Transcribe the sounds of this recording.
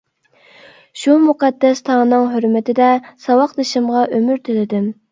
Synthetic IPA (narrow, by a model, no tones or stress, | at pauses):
ʃumuqʰɑd̪ːɛst̪ʰɑŋnɨŋɦøɾmɪt̪ʰɪd̪ɛsɑwɑqd̪eʃɪmʁɑʔømyɾt̪ʰylɪd̪ɪm